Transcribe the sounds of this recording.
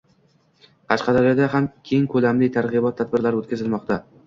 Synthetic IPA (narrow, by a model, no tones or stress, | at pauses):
qʰɑʃqʰɑd̪aɾjɒd̪aɦamkʲʰeŋkʰɵlamlɪt̪ʰaɾʁɨbɒt̪ʰːad̪̚bɪɾlaɾɪot̪kʰʲazɪlmɒqt̪a